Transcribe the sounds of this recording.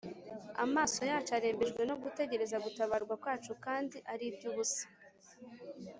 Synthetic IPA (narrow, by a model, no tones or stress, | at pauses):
a̰maːso̞jaːt͡ʃaɾeːmbeʒɡwe̞no̞ɡute̞ɟe̞ɾe̞zaɡutaβaɾɡwakwaːt͡ʃukaːndiʔaɾib̚ɟuβusi̥